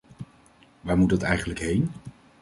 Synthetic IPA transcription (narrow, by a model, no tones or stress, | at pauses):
ʋaːɹmud̚ɑtɛ̰jχənləkɦejn